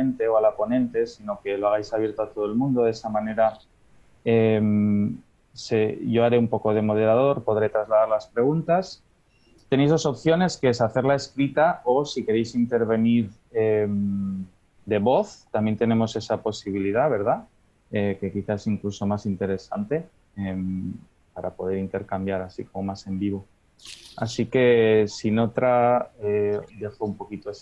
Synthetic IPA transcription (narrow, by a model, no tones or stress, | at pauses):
ent̪e̞oalapo̞nẽ̞nt̪e̞sino̞ke̞loaɣ̞ajsaβje̞ɾt̪oat̪o̞ð̞oe̞lmũnd̪oðe̞samãne̞ɾa | em | seʝo̞aɾeumpo̞ko̞ð̞e̞mo̞ð̞e̞ɾað̞o̞ɾpo̞ðɾe̞t̪ɾazlaðaɾlaspɾe̞ɣ̞unt̪as | t̪ene̞jzð̞o̞so̞p̚θjo̞ne̞skeesaθe̞ɾlae̞skɾit̪ao̞sike̞ɾe̞jsint̪e̞ɾβ̞e̞niɾ | em | d̪e̞βo̞θt̪ambjent̪e̞nẽ̞mo̞se̞sapo̞siβ̞iliðaβe̞ɾð̞a | eke̞kiθaesiŋkluso̞masint̪e̞ɾe̞sant̪e̞ | em | paɾapo̞ð̞e̞ɾint̪e̞ɾkambjaɾasiko̞mo̞mase̞mbiβ̞o̞ | asike̞sino̞t̪ɾaed̪e̞xoumpo̞kit̪o̞es